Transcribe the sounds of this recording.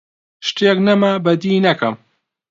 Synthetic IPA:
ʃt̪eknɐmɐbɐd̪iːnɐkɐm

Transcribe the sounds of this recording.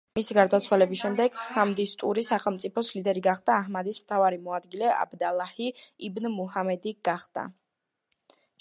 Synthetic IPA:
misiɡaɾd̪at̪sʰwalɛbisʃɛmd̪ɛɡhamd̪ist̪ʼṵɾisaχɛlˠmt̪sʼipʰɔslid̪ɛɾiɡaχd̪aːɦmad̪ismt̪ʰavaɾimɔad̪ɡilɛʔa̰bd̪alˠahiibnmuhamɛd̪iɡ̥aχd̪̥a̰

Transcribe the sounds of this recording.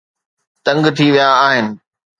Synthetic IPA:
t̪ɐ̃ŋɡt̪ʰiʋijaːɦɪnɪ̆

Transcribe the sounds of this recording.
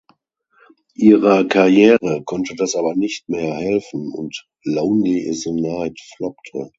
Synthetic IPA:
ʔiːʁəkʰaʁjɛːʁəkʰɔntədasʔaːbɐnɪçtmeːɐhɛlfn̩ʊ̰nt | loʊnlizonaɪtflɔk̚tʰə̰

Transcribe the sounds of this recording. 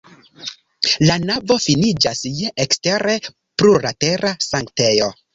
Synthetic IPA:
lanavo̞finid͡ʒasjekste̞ɾe̞ | pɾuɾate̞ɾasaŋkte̞jo̞

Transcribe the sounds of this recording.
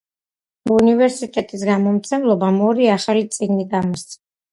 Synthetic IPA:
univɛɾsit̪ʼɛt̪ʼis̬ɡamɔmt̪sʰɛmlˠɔbamɔɾiaχalit̪sʼiɡniɡamɔst̪sʰɛna

